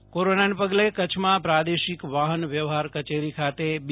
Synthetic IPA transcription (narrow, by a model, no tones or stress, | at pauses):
koɾonanepəɡlekət͡ʃʰmãpɾad̪eʃikʋaɦənʋjəʋɦaɾkət͡ʃeɾikʰat̪eb